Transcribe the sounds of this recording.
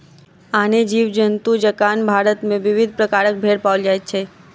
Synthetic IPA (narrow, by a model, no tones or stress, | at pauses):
aned͡ʒiʋd͡ʒənt̪ud͡ʒəkanbʱaɾət̪mẽʋɪʋɪd̪ʱpɾəkaɾək̚bʱeɽpaʋəld͡ʒajt͡ʃʰe